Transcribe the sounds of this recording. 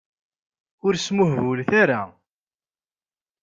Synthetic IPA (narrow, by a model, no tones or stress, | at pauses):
ʊɾsmʊhvʊlθaɾa̰